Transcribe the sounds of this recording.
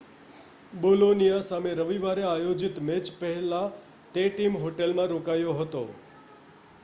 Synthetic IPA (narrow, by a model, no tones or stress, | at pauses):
bolonijasameɾəʋiʋaɾeajod͡ʒit̪met͡ʃpəɦɛla | t̪eʈimɦoʈelmãɾokajoɦət̪o̰